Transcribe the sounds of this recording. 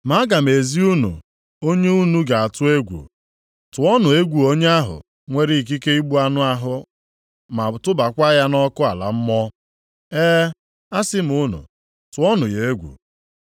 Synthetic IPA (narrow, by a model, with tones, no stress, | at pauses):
ma˨˦a˦ɡa˨m̩˨e˨zi˦u˦nṵ˨ | o˦ɲe˦u˦nu˦ɡa˨a˨tʊ˦e˦ɡʷṵ˨ | tʊ˨ɔ˦nʊ˨e˦ɡʷu˨o˦ɲe˦a˦ɦʊ̰˨ | ŋʷe˦ɾi˦˨k̬i˦ke˦i˦ɡ͡bu˦a˦nʊ˦a˦ɦʊ˦ | ma˨tʊ˦ba˨kʷa˦ja˦nɔ˦kʊ˦a̰˨la̰˨m̩˦mɔ˦ | eː˦ | a˦sɪ˦m̩˨ʊ˦nʊ̰˨ | tʊ˨˦ɔ˦nʊ˨je˨e˦ɡʷṵ˨